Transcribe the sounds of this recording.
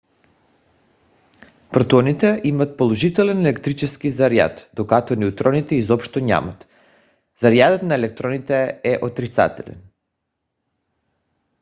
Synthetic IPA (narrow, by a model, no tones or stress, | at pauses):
pɾot̪ɔnit̪ɛʔimat̪̚polˠoʒit̪ɛlɛnɛlɛkt̪ɾit͡ʃɛskizaɾja̰t̪d̪̥okat̪ɔnɛut̪ɾɔnit̪ɛizɔpʃt̪ɔɲa̰mat̪ | zaɾjad̪ɔt̪naɛlɛk̚t̪ɾɔnit̪ɛɛʔot̪ɾit̪sa̰t̪ɛlɛ̰n